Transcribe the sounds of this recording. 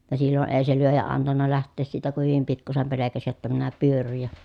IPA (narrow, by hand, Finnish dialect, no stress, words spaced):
jɑ silːo ʔeː se lyøjæ ɑntɑnːɑ læhtˑeːs siːtæ ku hyʋim pikːusem pelekæsi jotːɑ minæ pyørːyj jɑ